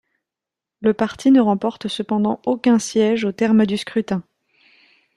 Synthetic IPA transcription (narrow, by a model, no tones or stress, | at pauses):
ləpaʁt̪ʰinəʁɑ̃pɔʁt̪səpɑ̃d̪ɑ̃okʲɛ̃sjɛʒot̪ɛʁmd̪yskχyt̪ɛ̃